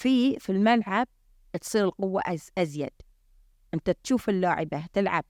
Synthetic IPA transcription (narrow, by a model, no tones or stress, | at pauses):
fiːfilmalʕab̚ | t̪sˤiːɾɪlqʊwːa̰ʔazʔazjad̪̥ | ʔɪnt̪at̪ʃuːfɪlːaːʕɪbat̪ɪlʕa̰b̚